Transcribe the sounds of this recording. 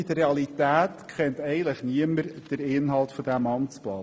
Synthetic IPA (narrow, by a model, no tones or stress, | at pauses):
id̥əreɑlit̪æːtkχɛnt̪ɛɪɡən̩tləχniəməɾd̥əɾɪnɦɑlˠtfɔd̥̪æmɑnt͡splɑː